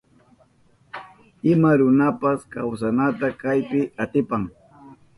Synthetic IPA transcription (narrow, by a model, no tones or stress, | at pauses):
ɪmaɾʊnapaskawsanat̪akajpɪat̪ɪpaŋ